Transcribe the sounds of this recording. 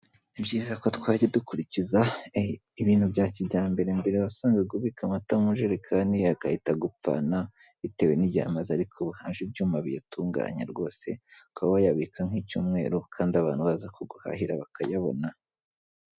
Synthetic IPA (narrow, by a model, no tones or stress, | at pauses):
ibɟiːzakotwaːɟidukuɾiciza | iβiːn̥hubɟaːciɟaːmbe̞ɾembe̞ɾewasaːŋɡeɡuβikamatamuʒeɾekʰaːndiakahitaɡup̪p͡fa̰na | ite̞we̞niɟa̰ːmazaɾikʰoβuhaːnʒubɟuːmaβijatʰuːŋɡa̰ːɲa̰ɾɡo̞ːse̞̰kaβajaβikʰaŋ̥hicṵːmŋe̞̰ːɾokʰaːndiaβaːnhuβazakʰoɡuha̰hiɾaβakʰajaβo̰na